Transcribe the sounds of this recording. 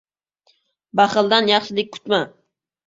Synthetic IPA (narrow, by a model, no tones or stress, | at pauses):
baχɨlˠd̪anjɑχʃɪlɪk̚ʲkʰʊ̥t̪ma